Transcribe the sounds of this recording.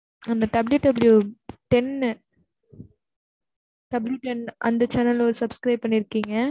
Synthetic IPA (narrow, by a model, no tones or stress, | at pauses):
ɐnd̪ɐɖɐbljuɖɐbljuʈɛn | ɖ̥ɐbljuʈɛnʔɐ̰nd̪ɐt͡ʃɐnɐlɔɾɯsɐbskɾɐɪb̚pɐɳːiɪɾɯkːiːŋɡɐ